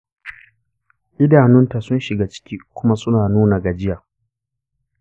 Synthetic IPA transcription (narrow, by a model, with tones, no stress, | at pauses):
ʔɪ˦daː˨nʊ˦nta˨sʊ˦nʃɪ˨ɡaː˦t͡ʃɪ̥˦kʲiː˦kʷʊ˦ma˦sʊ˦naː˨nuː˦na˨ɡa˨d͡ʒɪ˦jaː˨